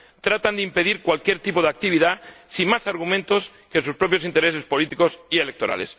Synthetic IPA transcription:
t̪ɾat̪and̪eimpe̞ðiɾkwalkje̞ɾt̪ipoðeak̚t̪iβ̞iðasimmasaɾɣ̞umẽnt̪o̞s | kesuspɾo̞pjo̞sint̪e̞ɾe̞s̬e̞spo̞lit̪iko̞sie̞lek̚t̪o̞ɾʔa̰le̞̰s

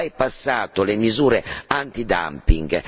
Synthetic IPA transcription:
ajpasːaːt̪olemizuːɾeant̪id̪a̰mpḭŋɡ

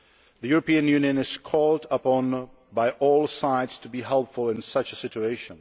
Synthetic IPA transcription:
ðɨjuɹəpĩɨ̃njʉ̃njɨ̃nɨz̥kʰɔlˠdəpɔ̃n | baɪʔɔlˠsaɪdz̥tʰəbiɦɛlˠpfəlˠɪ̃nsʌt͡ʃəsɪt͡ʃueɪʃə̃n

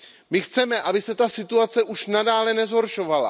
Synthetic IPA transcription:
mɪxt͡sɛmɛʔabɪsɛt̪asɪt̪uat͡sɛʔuʃnadaːlɛnɛzɦo̞ɾʃo̞vala̰

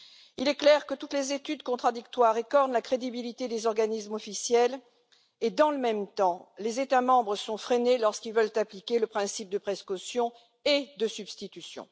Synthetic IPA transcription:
ilɛklɛʁkət̪ut̪lezet̪yd̪kɔ̃t̪χad̪ikt̪waʁekɔʁnlakχed̪ibilit̪ed̪ezɔʁɡanismɔfisjɛl | ed̪ɑ̃ləmɛmt̪ɑ̃lezet̪amɑ̃bʁəsɔ̃fχenelɔʁskʲilvœlt̪aplikʲeləpχɛ̃sip̚d̪əpχeskɔsjɔ̃ | ed̪əsybst̪it̪ysjɔ̰̃

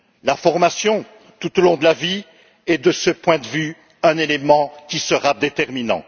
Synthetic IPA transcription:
lafɔʁmasjɔ̃ | t̪ut̪olɔ̃d̪əlavi | ɛd̪əsəpwɛ̃d̪əvy | ɛ̃nelemɑ̃kʲisəʁad̪et̪ɛʁminɑ̰̃

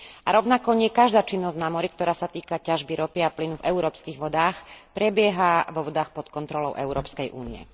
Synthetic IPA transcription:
aɾɔʊnakɔɲɪɛkaʒd̪aːt͡ʃinːɔzɟnamɔɾikt̪ɔɾaːsat̪iːkacaʒbiɾɔpiaplinuvɛuɾɔːpskiɣʋɔd̪aːxpɾɛbɪɛɦaʋɔʋɔd̪aːxpɔt̪kɔnt̪ɾɔlɔʊʔɛʊɾɔːpskɛjʔṵːnḭɛ̰

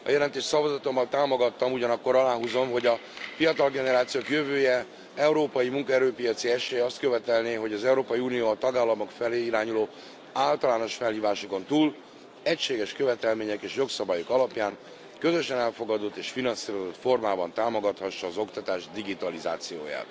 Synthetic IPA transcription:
ɒ̰jɛlɛnt̪eːʃsɒvɒzɒt̪o̞mːɒlt̪aːmo̞ɡɒt̪ːɒmuɟɒnɒkːo̞ɾɒlaːɦuzo̞mɦo̞ɟɒfijɒt̪ɒlɡɛnɛɾaːt̪sijoːkjøvøːjɛ | ɛuɾoːpɒjimuŋkɒɛɾøːpijɒt̪siɛʃeːjɛɒst̪̚køvɛt̪ɛlneːɦo̞ɟɒzɛuɾoːpɒjiunijoːɒt̪ɒɡaːlːɒmo̞kfɛleːiɾaːɲuloː | aːlt̪ɒlaːno̞ʃfɛlhiːvaːʃoko̞nt̪uːl | ɛcʃeːɡɛʃkøvɛt̪ɛlmeːɲɛkeːʃjo̞ksɒbaːjokɒlɒpjaːn | kø̞zø̞ʃɛnɛlfo̞ɡɒd̪o̞t̪ːeːʃfinɒnsiːɾo̞zo̞t̪fo̞rmaːbɒnt̪aːmo̞ɡɒt̪hɒʃːɒːzo̞kt̪ɒt̪aːʒd̪iɡit̪ɒliza̰ːt̪sijo̰ːja̰ːt̪

